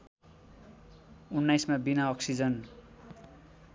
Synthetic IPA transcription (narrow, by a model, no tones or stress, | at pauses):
unːajsmabinaʌksid͡zʌn